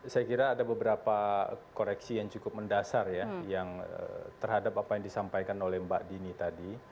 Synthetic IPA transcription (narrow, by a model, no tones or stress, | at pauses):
sajakiɾaːdabəbəɾapakoɾɛksijaŋt͡ʃukʊp̚məndasarjajaŋə̰t̪ərhadapapajaŋdisampajkanolɛhmbaʔdinit̪adi